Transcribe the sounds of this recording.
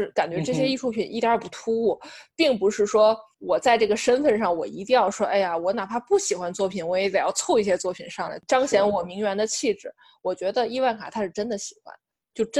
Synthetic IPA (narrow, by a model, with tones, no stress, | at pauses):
ka˨˩nt͡ɕɥɛ˧˥ʈ͡ʂɤ˥˩ɕ̬jɛ˥i˥˧ʈ͡ʂʰu˥˩pʰi˨˩nʔḭ˥˩t̪ja˞˥˧˥pu˥˩t̪ʰu˥u˥˩pi˥˩ŋpu˧˥ʂɻ̩˥˩ʂwɔ˥ | wɔ˨˩t͡sa˥˧ɪʈ͡ʂɤ˥˩ɡə˩ʂə˥nfə˥˧nʂɑ˥˩ŋwɔ˨˩ḭ˧˥t̪̬i˥˧ŋjɑ˥˩ʊʂwɔ˥ʔe˥˩ɪa˩wɔ˧˥na˨˩pʰa˥pu˥˩ɕi˨˩xwa˧˥nt͡swɔ˥˩pʰi˨˩˦nwɔ˧˥jɛ˧˥t͡sa˨˩ɪjɑ˥˧ʊt͡sʰɔ˥˧i˥˩ɕjɛ˥t͡swɔ˥˩pʰi˨˩nʂɑ˥˩ŋla̰˧˩ʈ͡ʂɑ˥ŋɕjɛ˧˥nwɔ˨˩mi˧˥ŋɥɛ˧˥nd̪ə˧t͡ɕʰi˥˧ʈ͡ʂɻ̩˨˩˦ | wɔ˨˩t͡ɕɥɛ˧˥d̪ə˧i˥˧wa˥˩nkʰa̰˨˩t̪ʰa˧˥ʂɻ̩˥˩ʈ͡ʂə˥nd̪ə˨ɕi̥˨˩xwa̰˧˥n | t͡ɕjo˥˩ʊʈ͡ʂ